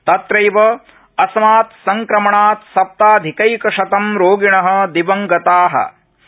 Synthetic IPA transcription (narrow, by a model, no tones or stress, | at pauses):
t̪ɐt̪ɾɐjʋɐ | ɐsɐmaːt̪sɐŋkɾɐmɐɳaːt̪sɐp̚t̪aːd̪ʱikɐjkɐʃɐt̪ɐmɾoːɡiɳɐɦɐ̆d̪iʋɐŋɡɐt̪aːɦɐ̰